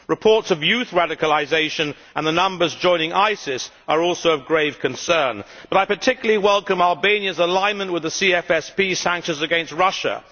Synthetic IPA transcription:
ɹɨpʰɔɹtsʌvjʉθɹæɾɨkəlˠɪzeɪʃɨ̃n | ə̃nðənʌ̃mbə˞zd͡ʒɔ̃ɪ̃nɪ̃ŋaɪsɪs | ə˞ɔˑlˠsoʊʌvɡɹeɪv̥kʰɨ̃nsɜ̃˞nb̥ʌɾaɪpə˞tʰɪkjl̩ˠlˠiwɛlˠkə̃mælˠbẽɪ̃njɨzəlãɪ̃nmə̃nʔwɨðəsiɛfɛspisæ̃ŋkʃɨ̃nzɨɡɛ̃nst̚ɹʌʃə̰

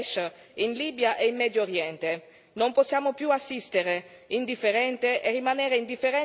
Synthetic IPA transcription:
ʃ | inliːbjaʔeinːɛd̪jooɾjɛnt̪e | nomposːjaːmopjuasːist̪eɾe | ind̪ifːeɾɛnt̪eʔerːimaneːɾeind̪ifːeɾɛ

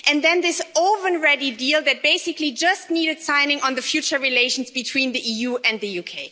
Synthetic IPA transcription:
ʔɨ̃nðɛ̃nðɪsoʊvə̃nɹɛɾidilˠðɨt̚b̥eɪsɪklid͡ʒʌstniːɾɨd̥sãɪ̃nɪ̃ŋʔə̃nðɨfjʉt͡ʃə˞ɹileɪʃn̩zbɨtʰw̥ĩːnðiʔijuɨ̃nðɨjukʰeɪ

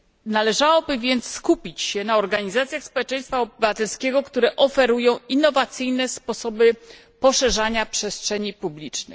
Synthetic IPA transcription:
nalɛʐawɔbɘvʲjɛnt̪sskupʲit͡ɕɕɛnaɔɾɡaɲizat̪sʲjaxspɔwɛt͡ʂɛj̃st̪faɔbɘvat̪ɛlskʲɛɡɔkt̪uɾɛʔɔfɛɾujɔ̃w̃inːɔvat̪sɘjnɛspɔsɔbɘ | pɔʂɛʐaɲapʂɛstʂɛɲipublʲit͡ʂnɘ̰x

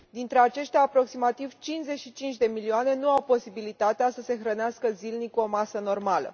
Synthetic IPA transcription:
d̪int̪ɾe̞at͡ʃe̞ʃt̪eaːpɾo̞ksimat̪ivt͡ʃinze̞t͡ʃʃit͡ʃint͡ʃʲd̪e̞milioane̞nuawpo̞sibilit̪at̪easəse̞xɾəneaskəzilnikuo̞masəno̞rmalə̰

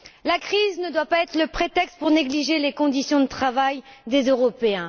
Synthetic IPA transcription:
lakχiznəd̪wapaɛt̪χələpχet̪ɛkst̪̚puʁneɡliʒelekɔ̃d̪isjɔ̃d̪ət̪χavajd̪ezøʁɔpeɛ̃

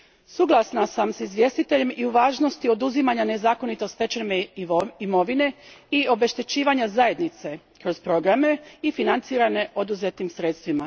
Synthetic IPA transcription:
suɡlˠasnasamsizʋjest̪it̪e̞ʎe̞mʔiuʋaːʒno̞st̪io̞d̪uzimaɲane̞zaːko̞nit̪ost̪e̞t͡ʃemeimo̞ʋine̞io̞be̞ʃt̪e̞t͡ɕiːʋaɲazaje̞d̪nit̪se̞ | kɾo̞zpɾo̞ɡɾame̞ifinant̪siːɾane̞ʔo̞d̪uzet̪imsɾe̞t̪st̪ʋima

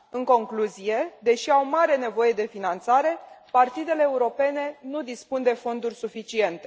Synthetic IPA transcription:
ɨŋko̞ŋkluzije̞d̪e̞ʃiawmaɾe̞ne̞vo̞je̞d̪e̞finant̪saɾe̞part̪id̪e̞le̞ːuɾo̞pe̞ne̞nud̪ispund̪e̞fo̞nd̪urʲsufit͡ʃie̞nt̪e̞

